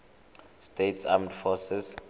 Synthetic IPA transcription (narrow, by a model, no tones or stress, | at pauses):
stetʰsa̰mɛntfɔsɛs